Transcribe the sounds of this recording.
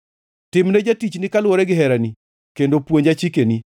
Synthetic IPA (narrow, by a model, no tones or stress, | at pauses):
tɪmnɛd͡ʒatit͡ʃnɪkalwoɾɛɡɪɦɛɾani | kendopwoɲd͡ʒat͡ʃikeni